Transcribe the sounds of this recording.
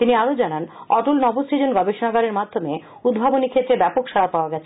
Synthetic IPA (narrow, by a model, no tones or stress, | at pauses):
t̪iniaɾod͡ʑananɔʈulnɔbosid͡ʑonɡɔbeʃonaɡaɾeɾmad̪ʱːome | ud̪bʱabonikʰet̪ːɾebɛpokʃaɾapaoaɡɛt͡ɕʰe̥